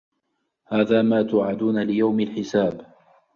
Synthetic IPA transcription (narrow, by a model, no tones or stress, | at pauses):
haːðaːmaːt̪ʊʕad̪uːnalɪjawmalħɪsaːb